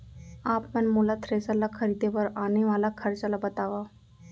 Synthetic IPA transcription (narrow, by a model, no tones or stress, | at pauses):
aːpmɛnmoːlat̪ʰɾeːsəlakʰəɾiːd̪ʱepɐɾaːneʋaːlakʰɐɾt͡ʃalabɐt̪aːʋaː